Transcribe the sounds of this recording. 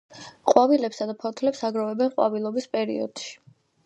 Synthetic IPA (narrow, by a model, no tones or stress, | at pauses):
qʼwavilɛpsad̪apʰɔt̪ʰlɛpsaɡɾɔvɛbɛnqʼwa̰vilˠɔbispʼɛɾḭɔ̰d̪̥ʃi̥